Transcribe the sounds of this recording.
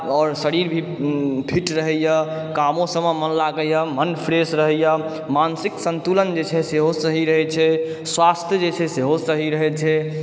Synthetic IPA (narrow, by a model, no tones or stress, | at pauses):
ɔːɾsəɾiɾbʱi | pʰiʈɾəɦəjə | kamõsəməmənlaɡəjamənpʰɾesɾəɦəja | mansiksənt̪ulənd͡ʒet͡ʃʰɛseɦosəɦiɾəɦɛt͡ʃʰɛ | swast̪ʰjəd͡ʒet͡ʃʰɛseɦosəɦiɾəɦɛt͡ʃʰɛ